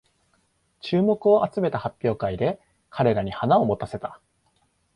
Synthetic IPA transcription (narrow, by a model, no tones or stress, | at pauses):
t͡ɕɨːmo̞kɯ̟o̞ʔat͡sɨme̞t̪ahapʲːo̞ːkaid̪e̞ | kʰaɾe̞ɾaɲ̟ihanao̞mo̞t̪ase̞t̪a